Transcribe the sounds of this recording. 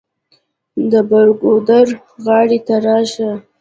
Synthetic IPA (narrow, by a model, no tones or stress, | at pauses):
d̪əbaɾɡod̪aɾ | ɣɑɽet̪aɾɑʃa